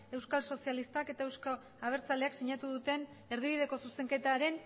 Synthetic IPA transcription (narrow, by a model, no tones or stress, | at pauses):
e̞wskalso̞sialist̪ake̞t̪ae̞wsko | aβ̞e̞ɾt͡sale̞aksiɲat̪uðut̪e̞n | eɾð̞iβ̞iðe̞ko̞suse̞ŋke̞t̪aɾe̞n